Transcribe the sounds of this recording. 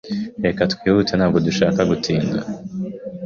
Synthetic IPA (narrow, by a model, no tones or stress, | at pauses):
ekatkwiːβutenhaːbɡo̞duʃaːkaɡutiːŋɡa̰